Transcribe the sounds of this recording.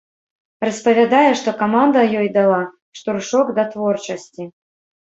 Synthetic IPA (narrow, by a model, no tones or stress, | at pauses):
rɐspɐvʲad̪ajɛʂt̪ɔkamand̪ɐjɔjd̪alˠa | ʂt̪urʂɔɡd̪ɐt̪vɔrt͡ʂɐsʲt͡sʲi